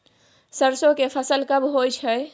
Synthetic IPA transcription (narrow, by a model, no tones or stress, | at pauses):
səɾsõkepʰəsəlkəbɦojt͡ʃʰə